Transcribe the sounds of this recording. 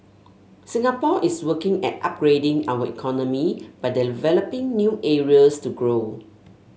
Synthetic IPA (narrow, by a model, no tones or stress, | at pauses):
sĩŋapɔʔiswəkɪ̃ŋɛ̰t̚a̰p̚ɡɹedɪ̃ŋawəḭkʰɔnɔmib̥ajdivɛləpɪ̃ŋnjuʔɛɹiəstuɡɹo